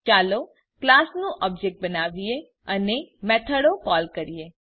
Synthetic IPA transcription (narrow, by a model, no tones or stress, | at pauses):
t͡ʃalo | klasnũʔɔb̚d͡ʒek̚ʈ̚bənaʋije | ənemɛt̪ʰəɽokɔlkəɾije